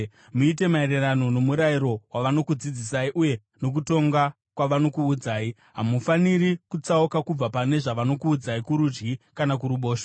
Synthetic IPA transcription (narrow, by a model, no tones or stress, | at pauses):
muite̞maererano̞no̞muɾaiɾo̞waʋano̞kud͡zid͡zisaiʔuje̞ | no̞k̬uto̞ŋɡa | kwaʋano̞kuːd͡zaːi | ɦamufanirikut͡saukakub͡vapane̞ʐaʋano̞kuːd͡zaikuɾud͡ʒɡikanak̬uɾuɓo̞ːʃo̥